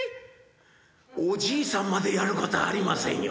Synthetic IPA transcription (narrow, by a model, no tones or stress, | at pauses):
od͡ʑiːsãmːad̪e̞jaɾɯ̟kot̪oa̰ːɾʲimasḛ̃j̃jo